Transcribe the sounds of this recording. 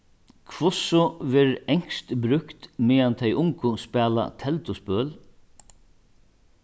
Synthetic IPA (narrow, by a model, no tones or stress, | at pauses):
kʰvʊsʊvɪɾɛɲ̥st̪bɾʏkt̪mɪːant̪ʰɛjʔʊŋkʊspɛːla̰t̪ʰɛlt̪ʊspœːl